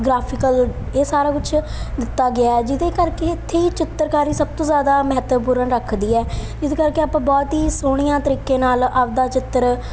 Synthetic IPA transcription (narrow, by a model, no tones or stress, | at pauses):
ɡɾaːpʰɪkəl | eːsaːɾaːkʊt͡ʃʰ | d̪ɪt̪ːaːɡɪaːɛːd͡ʒɪd̪eːkəɾkeːɪt̪ʰːeːiːt͡ʃɪt̪ːəɾkaːɾiːsəb̚t̪õːzjaːd̪aːməɦət̪əpuːɾəɳɾəkʰd̪iːɛːd͡ʒɪd̪eːkəɾkeːaːpãːbɔːt̪ɦiːsoːɽ̃ɪjãːt̪əɾiːkeːnaːlabd̪aːt͡ʃɪt̪ːəɾ